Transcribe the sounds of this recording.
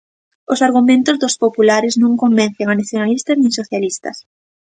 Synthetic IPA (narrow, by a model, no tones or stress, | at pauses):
osaɾɣumẽnt̪ʊzðospopulaɾɪznũŋkomben̟θeŋanaθjonalist̪ɐznẽŋsoθjalist̪ɐ̰s